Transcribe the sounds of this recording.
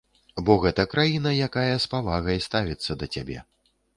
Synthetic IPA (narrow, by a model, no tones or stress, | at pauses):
bɔɣɛt̪ɐkɾajinɐjakajɐspavaɣɐjst̪avʲit̪sːɐd̪ɐt͡sʲa̰bʲɛ̰